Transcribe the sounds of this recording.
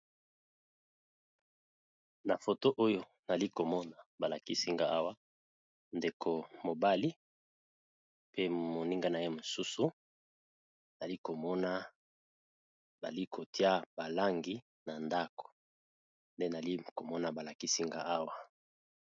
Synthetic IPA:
na˨fo˨to˦ʔo˦jo˦ | na˨li˦ko˨mɔ˦na˨ba˨la˨ki˦si˦ŋɡa˦a˦wa˦ | nde˨kʰo˨mo˨ba˦li˦ | pe˦mo˨ni˦ŋɡa˦na˨je˦mo˨su˦su˦ | na˨li˦ko˨mɔ˦na˦ | ba̰˨li˦kʰo˨ti˦a˦ba˨la˦ŋɡi˦ | na˨nda˦ko̥˨ | nde˦na˨li˦ko˨mɔ˦na˨ba˨la˨ki˦si˦ŋɡa̰˦˨a˦wa˦

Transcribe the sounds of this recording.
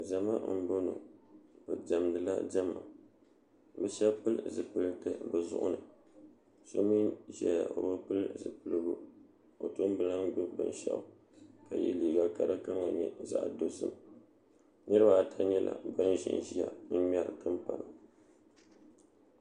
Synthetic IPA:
ʒa˨ma˦m̩˦bo˦no˨b̥ɨ˨d͡ʒa˨mdɨ˨la˦d͡ʒa˦ma˨ | bɨ˦ʃɛ˦pɨ˦lzɨ˨pɨ˦ltɨ˦bɨ˨zʊ̰˦ʔʊ̰˦nɨ˨ | so˦mi˦nʒɛ˦ja˨ʔo˨bɨ˦pɨ˦lzɨ˨pɨ˦lɨ˦ɡʊ˦ | o˨to˦m˦bɨ˦la˦ndo˦bɨ˦˨n˦ʃa̰˦˨ | ka˨jɛ̰˦liː˨ɡa˦ka˦ɾa˦ka˦ma˨ɲɛ˨za̰˦˨ʔdo˦sɨ˦m | nɨ˦ɾɨ˦ba˦a˨tʰa˨˦ɲɛ˦lʔa̰˨ba˦n˦ʒḭ˨n˨ʒi˦ja̰˨m̩˦ma˦ɾtɨ˦mpa˨la˨

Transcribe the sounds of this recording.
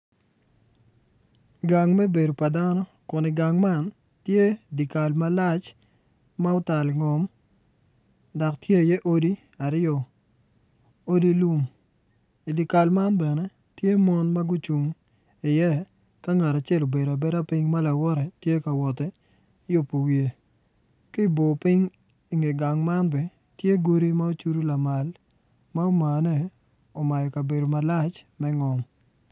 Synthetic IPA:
ɡa˨ŋmɛ˦be˨do˨pa˨da˦nɔ˦ | kʊ˨nɪ˨ɡa˨ŋma˦n | tje˦di˨ka˨lma˦la˦t͡ʃ | ma˦ʊ˦ta˨lɪ˨ŋɔ˨m | da˨ktje˦˨jɛ˦ʔo˦di˦ | a˨ɾɪɔ˨ | o˦di˦lu˦m | i˨di˨ka˨lma˦nbɛ˨nɛ˦ | tje˦mɔ˦nma˦ɡʊ˦t͡ʃu˨ŋ | ɪ˨jɛ˦ | ka˦ŋa˨ɾa˨t͡ʃɪɛ˦lo˨be˨da˨bɛ˦ɾa˦pɪ˦ŋma˦la˨wɔ˦ɾɛ˨tje˦ka˨wɔ˨tɛ˦ | jʊ˦pːo˨wje˨ | kɪ˦bo˨pɪ˦ŋ | i˦ŋe˨ɡa˨ŋma˦nbɛ˨ | tje˦ɡo˦ɾi˦ma˦o˦t͡ʃu˦ɾu˦la˨ma˨l | ma˦o˦ma˨nɛ˦˨ | ɔ˨ma˨jɔ˨ka˨be˨do˨ma˨la˦t͡ʃ | mɛ˦ŋɔ˨m

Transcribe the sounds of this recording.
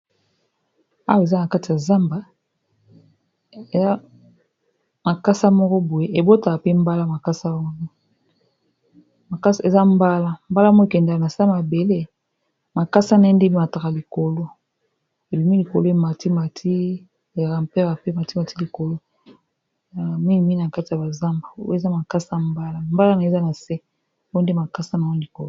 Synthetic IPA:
a̰˦we˨za˦na˨ka˦ti˨ja˨za˦mba˨ | e˨a˦ | ma˨ka˦sa˦mɔ˦kɔ˦bo˨je˦e˨bo˦ta˨ka˨pe˦m˦ba˦la˦ma˨ka˦sa˦ɔ˦nɔ˦ | ma˨ka˦se˨za˦mba˦la˦mba˦la˦mɔ˦e˨kɛ˨ndka˨na˨sa˦ma˨be˨le˦ | ma˨ka˦sa˦na˨i˦nde˦bi˦ma˨ta˨ka˨li˨ko˨lo˦ | e˨bi˨mi˦li˨ko˨lo˦e˨ma˨ti˦ma˨tʰi˦ | e˨za˨ka˨mpe˦ɣa˨pe˦ma˨ti˦ma˨ti˦li˨ko˨lo˦˨ | a˨a˨mi˦ŋ˨mi˦˨na˨ka˦ti˨ja˨ba˨za˦mba˨o̰˦e˨za˦ma˨ka˦sa˦mba˦la˦mba˦la˦na˨e˦za˦na˨se˦ | o˦nde˦ma˨ka˦sa˦na˨ɔ˦li˨ko˨l

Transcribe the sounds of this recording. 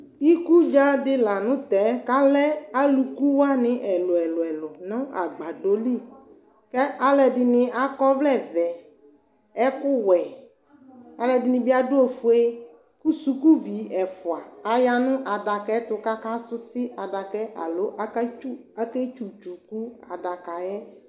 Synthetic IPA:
i˦ku˦d͡ʒa˦dɪ˦la˨nʊ̃˦t̪ɛ˨˦ka˦lɛ˦a˦lu˨ku˦wa˦nɪ̃˦ʔɛ˨lʊ˨ɛ˨lɛ˨lʊ˨nɔ̃˦ʔa˨ɡ͡ba˨ɖo˦li˦˨ | kɛ˦ʔa˨lɛ˨dɪ˨nɪ̃˨a˦kɔ˦vlɛ˦˨vɛ˨ | ɛ˦kʊ˦wɛ˨ | a˨lɛ˨dɪ˨nɪ̃˨bɪ˦a˦dʊ˦o˨fʊ˦e˦ | ku˦su˦ku˦vi˨˦ɛ˨fʊ˨a˨a˨ja˦nʊ̃˦ʔa˨da˨kɛ˦t̪ʊ˨ka˦ka˦sʊ˦sɪ˦a˨da˨kɛ˦ʔa̰˨lo˨˦ʔa˦ku˦a˦kɛ˦t͡ʃu˨t͡ʃu˨ku˦a˨da˨ka˨jɛ˦

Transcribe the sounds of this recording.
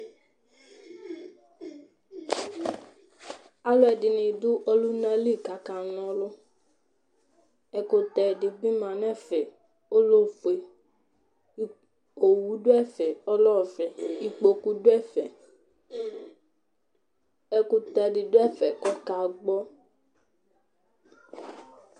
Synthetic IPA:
a˦lʊ˦ɛ˧dɪ˨nĩ˨dʊ˦ʔɔ˦lu˦nã˦li˦˨ka˨kã˨nɔ̃˦lʊ˦ | ɛ˧ko˧t̪ɛ˧dɪ˨bi˦mã˨nɛ̃˦˨fɛ˨ | o˦lo˦fe˨˦ | o˨wu˨˦do˦ɛ˦˨fɛ˨ɔ˦lɔ˦˨fɛ˨i˨k͡po˧ku˦dʊ˦ɛ˦˨fɛ˨ | ɛ˨˧kʊ˧t̪ɛ˧dɪ˨dʊ˦ɛ˦˨fɛ˨kɔ˦ka˨ɡ͡bɔ˦

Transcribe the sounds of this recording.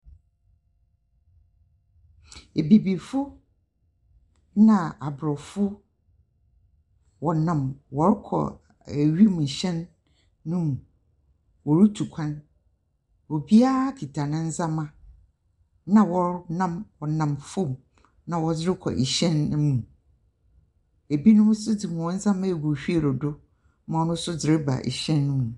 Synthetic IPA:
e˨be˨bi˨fʊ˦ | nã˨a˨bɾɔ˨fʊ˦ | wɔ˨nã˨mwɔ˨ɾkʰɔ̰˨ | æ˨ɥi˦mũ˨ɕɛ̃˦nː | ũ˦m˨ | wɔ˨ɾtʰu˨kʷʰã˦n | wɔ˨bi˦a˦kʰi˨tʰa˨nʊ̃˦n̩˦za˦mã˦ | nã˨wɔ˦ɾnã˦mwɔ˨nã˨mfʊ˦m | nã˨wɔ˨d͡zɪ˦ɾɪ˦kʰɔ̰˨ʔḭ˨ɕɛ̃˦n˦mũ˨ | e˨bi˦nʊ̃˦sʊ˦d͡zɪ˨mũ˨wɔ̃˦n̩˦zã˦mã˦e˨ɡo˨ɕᶣi˦e˨ɾʊ˨dʊ˦ | mã˨ɔ˨nʊ̃˦sʊ˦d͡zɪ˨ɾɪ˦ba̰˨ʔḭ˨ɕɛ̃˦nːʊ̃˦mũ˨

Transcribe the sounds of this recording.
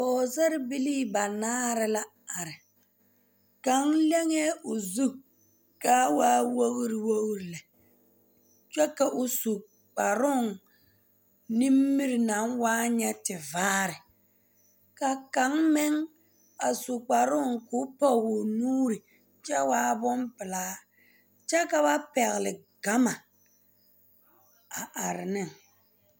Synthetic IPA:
bɔː˨zɛ˦ɾɪ˦bi˦liː˦ba˨naː˦ɾɪ˨la˦ | a˨ɾɪ˨ | ka˨˦ŋlɛ˦ŋe˦ʊ˨zu˦ | ka˦waː˦wo˦ɣɾɪ˨wo˦ɣɾɪ˨lɛ˨ | t͡ʃɛ˦ka˨ʔʊ˨su˨ | k͡pa˨ɾʊ˦˨ŋ | ni˦mːi˦ɾɪ˨na˨˦ŋwaː˦ɲɛ˦tɪ˨vaː˦ɾɪ˨ | ka˨ka˨˦ŋmɪ˦ŋ | a˨su˨k͡pa˨ɾʊ˦ŋkʊ˦pɔ˦˨ɡʊ˨nuː˦ɾɪ˨ | t͡ʃɛ˦waː˦bʊ˦mpɪ˨laː˦ | t͡ʃɛ˦ka˨ba˦pɛ˨ɣɪ˨lɪ˨ɡ̥a˦ma˨ | a˨ʔa˨ɾɪ˨nɪ˦˨ŋ

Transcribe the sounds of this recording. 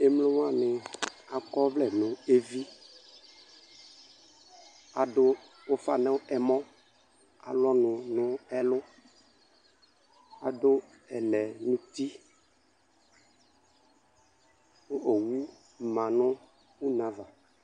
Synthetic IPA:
e˨mlo˦wa˦˨nɪ˨a˨kɔ˦vlɛ˨nʊ̃˨e˦vi˦ | a˨dʊ˦ | wo˦fa˦nɛ̃˦wʊ˦ʔɛ˨mɔ̃˦ | a̰˨lɔ˦nʊ̃˨nʊ̃˦ɛ˦lʊ˦ | a˨dʊ˦ | ɛ˨lɛ˨nũ˦t̪i˦ | o˦ʔo˨wu˦˨ | mã˨nʊ̃˦ | wu˦nã˨va˨

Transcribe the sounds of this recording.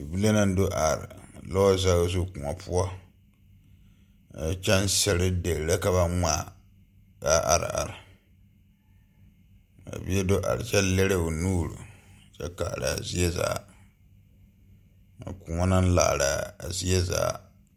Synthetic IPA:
bi˦la˦na˦n˦do˦ʔa˨ɾɪ̰˨lɔ˦za˦ɣzu˦ku˨ɔ˨pʰʊ˦ɔ˦ | a˨t͡ʃɛ˦n˦sɛ˨ɾɪ˦de˨ɾɾa˦ka˨βa˦ŋa˦˨ | ɡa˦ʔa˨ɾɪ̰˨a̰˨ɾɪ˨ | a̰˨bi˦e˦do˦ʔa̰˨ɾɪ˨t͡ʃɛ˦le˦ɾe˦o˨nuː˦˨ɾṵ˨t͡ʃɛ˦ka˨ɾa̰˨zi˦ɛ˦za̰ː˨ | a̰˨ku˨ŋɔ˦na˦n˦la̰ː˨ɾa˨zi˦ɛ˦za̰ː˨

